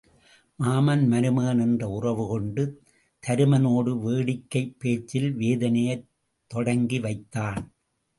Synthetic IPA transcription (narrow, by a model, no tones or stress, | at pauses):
maːmɐnmɐɾɯmɐːnɛndrɐʊrɐʋɯkɔɳɖɯ | t̪ʰɐɾɯmɐnoːɽɯʋeːɽɪkːɐɪpːeːt͡ʃːɪlʋeːðɐnɐjɐ | t̪ːɔɽɐŋɡiʋɐɪt̪ːaːn